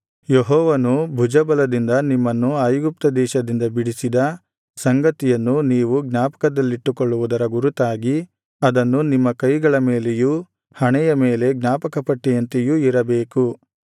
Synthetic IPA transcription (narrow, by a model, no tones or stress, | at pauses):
jeɦɔːʋɐnubʱud͡ʒɐbɐlɐd̪ind̪ɐnimːɐnːuajɡup̚t̪ɐd̪ɛːʃɐd̪ind̪ɐbiɽisid̪ɐ | sɐŋɡɐt̪ijɐnːuniːʋuɡnaːpɐ̥kɐd̪ɐlːiʈːukoɭːuʋud̪ɐɾɐɡuɾut̪aːɡi | ɐd̪ɐnːunimːɐkɐjɡɐɭɐmeːleju | hɐɳɛjɐme̞ːle̞ɡnaːpɐkɐpɐʈːijɐnt̪ejuiɾɐbeːku